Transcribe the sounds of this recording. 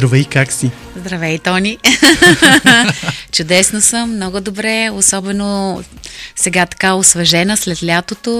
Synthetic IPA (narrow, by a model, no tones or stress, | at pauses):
ɾovɛjkaksi | zd̪ɾɐvɛjt̪ɔni | t͡ʃʊd̪ɛsnosəmːnɔɡʊd̪obɾɛosɔbɛno | sɛɡat̪ɐ̥kaosvɐʒɛnəslɛt̪lʲat̪ot̪o